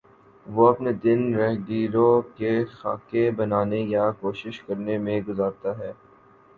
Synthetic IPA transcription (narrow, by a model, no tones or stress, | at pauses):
ʋoɐpned̪ɪnɾɛɦɖiːɾõkexa̰ːkebɐnaːnejakoːʃɪʃkɐɾnemẽɡʊzaːɾt̪aɦɛː